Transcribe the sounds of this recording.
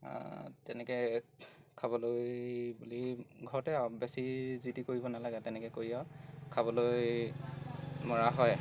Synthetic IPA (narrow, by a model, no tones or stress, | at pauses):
tɛnɛkɛ | kʰabɔlojbuliɡʱɔɹɔtɛbɛsizitikoɹibɔnalaɡɛtɛnɛkɛkoɹiɛkʰabɔloj | mɔɹaɦɔj